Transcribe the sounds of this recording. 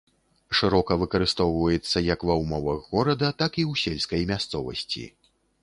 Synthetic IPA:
ʂɨɾɔkɐvɨkɐɾɨst̪ɔwvɐjɛt̪sːɐjɐkvɐwmɔvɐɣːɔɾɐd̪ɐt̪akiwsʲɛlʲskɐjmʲast̪sɔvɐ̰sʲt͡sʲḭ

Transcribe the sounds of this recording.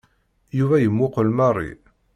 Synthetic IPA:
juvæjəmːʊqəlmɑrˤːḭ

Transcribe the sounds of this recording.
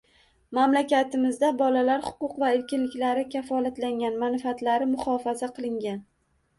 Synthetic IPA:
mamlakʲat̪ʰɪmɪzd̪abɒlalaɾhʊ̥qʊqvaɪlkʲɪnlɪkʲlaɾɪkʲafɒlat̪laŋɡʲanmanɪfat̪laɾɪmʊχɒfazaqʰɨlˠɪŋɡʲan

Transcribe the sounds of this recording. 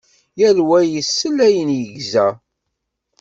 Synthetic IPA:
jælwæjəsːəlæjənjəʝzæ

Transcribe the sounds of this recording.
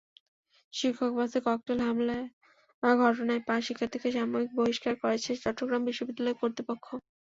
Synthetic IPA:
ʃikʰːokbasekɔk̚ʈelɦamlae | baɡʱɔʈ̬onaepaʃikʰːat̪ʰekeʃamoɾik̚boɦiʃkaɾkoɾet͡ɕʰet͡ɕɔʈːɾoɡɾambiʃːobid̪ːalɔeɾkoɾt̪ɾipokʰːo

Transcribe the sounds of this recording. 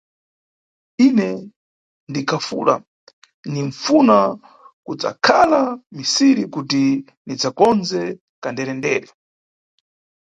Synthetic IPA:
inɛ | ndikʰafṵːla̰ | niɱfuna | kud͡za̰kʰalamisiɾikuti | nid͡zakɔnzɛ | kandɛɾɛndɛːɾɛ

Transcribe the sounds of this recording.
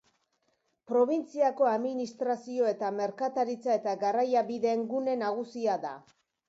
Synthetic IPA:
pɾo̞β̞int͡siako̞aðminist̪ɾasio̞e̞t̪ame̞ɾkat̪aɾit͡sae̞t̪aɡarajaβiðe̞ːŋɡune̞naɣ̞usiaða

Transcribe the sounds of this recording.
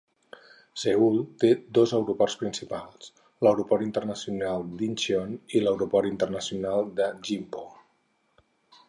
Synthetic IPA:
seulˠt̪ed̪ozəwɾupɔrspɾinsipalˠs | ləwɾupɔɾint̪ərnəsiunalˠd̪inʃiɔniləwɾupɔɾint̪ərnəsiunalˠd̪əʒimpo

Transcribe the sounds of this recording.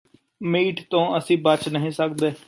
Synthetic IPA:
miːʈt̪õːəsĩːbət͡ʃnəɦĩːsək̚d̪eː

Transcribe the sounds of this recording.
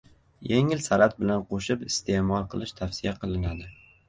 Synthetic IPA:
jeŋɪlsaɾat̪̚bɪlanqʰoʃɪpɪst̪ʰe̞mɒlˠqʰɨlˠɪʃt̪ʰafsɪjaqʰɨlˠɪnad̪ɪ

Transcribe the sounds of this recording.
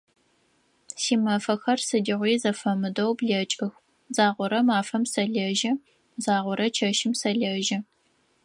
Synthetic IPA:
siːmɐfɐxɐrsɨdiʁʷiːzɐfɐmɨdɐwbɮɐt͡ʃʼɨx | zaːʁʷɔɾɐmaːfɐmsɐɮɐʒɐ | zaːʁʷɔɾɐt͡ʃʰɐʃɪmsɐɮɐʒɐ

